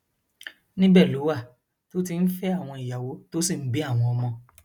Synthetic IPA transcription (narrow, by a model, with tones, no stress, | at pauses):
nĩ˦bɛ˦˨lo˨˦wa˦˨ | to˦t̬i˧n̩˦fɛ˦a˦˨w̃ɔ̃˧i˨ja˨wo˨˦to˦si˦˨n̩˨˦bi˦a˦˨w̃ɔ̃˧ɔ˧mɔ̃˧